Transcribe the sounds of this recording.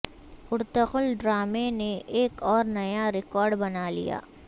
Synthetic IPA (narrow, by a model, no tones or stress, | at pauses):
ʊɾt̪əxʊlɖɾaːmeneʔeːkɔːɾnɐjaɾɪkɔːɾɖbɐnalḭja̰ː